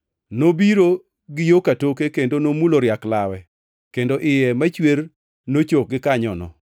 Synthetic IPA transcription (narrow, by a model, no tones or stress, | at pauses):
nobiɾo | ɡɪjokatokekendonomuloɾjaklawɛ | kendoʔɪjɛmat͡ʃwer | not͡ʃok̚ɡɪkaɲɔ̰nɔ̰